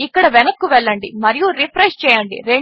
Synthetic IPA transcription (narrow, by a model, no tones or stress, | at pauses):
ikːɐɽɐʋɛnɐkːuʋɛɭːɐɳɖimɐɾijuɾipʰɾeʂt͡ʃɛːjɐɳɖḭɾeɳ